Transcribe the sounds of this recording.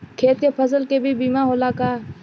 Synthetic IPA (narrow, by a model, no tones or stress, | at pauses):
kʰeːt̪̚kepʰəzəlkebʱibiːmaɦoːlakaː